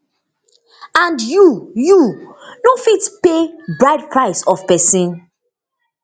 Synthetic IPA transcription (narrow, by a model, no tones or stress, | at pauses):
ãndjujunofitpebɹaɪdpɹaɪsɔfpɛsĩn